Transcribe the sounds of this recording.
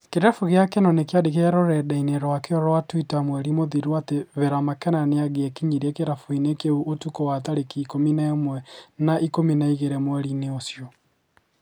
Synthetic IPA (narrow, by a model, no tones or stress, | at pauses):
keɾɛfuɣeakenɔnekjadeɣeɛɾɔɾɛdaineɾwakeɔɾɔwatwitamwɛɾimoðiɾuwateβeɾamakɛnaneaɣeɛkiɲiɾɛkeɾafuinekeuʔotukowataɾekiːkominaomwɛnaʔikominaiɣeɾɛmwɛɾineosjɔ